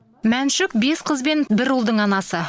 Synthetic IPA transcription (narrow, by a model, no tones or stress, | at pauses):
mænʃɪkbe̞sqʰəzbe̞nbɪɾulˠd̪əɴɑnɑsə